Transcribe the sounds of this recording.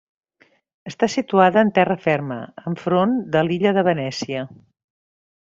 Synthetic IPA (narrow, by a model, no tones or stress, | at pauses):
əst̪asit̪uaðəːnt̪ɛrəfɛrmə̰əɱfɾond̪əliʎəðəβənɛsiə